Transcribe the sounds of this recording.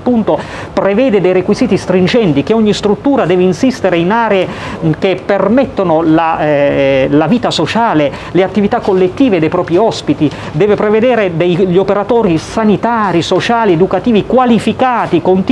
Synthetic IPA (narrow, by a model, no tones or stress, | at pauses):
pːunt̪o | pɾevɛːd̪ed̪ejɾekwiziːt̪ist̪ɾind͡ʒɛnt̪ik̟eɔɲːist̪ɾut̪ːuːɾad̪ɛːveinsist̪eɾeinaːɾeek̟epːermɛt̪ːonola | laviːt̪asot͡ʃaːle | leat̪ːivit̪akːolːet̪ːiːved̪ejpɾɔːpɾiɔspit̪i | d̪ɛːvepɾeved̪ɛːɾed̪ejʎːopeɾat̪ɔːɾisanit̪aːɾisot͡ʃaːlied̪ukat̪iːvikwalifikaːt̪ikont̪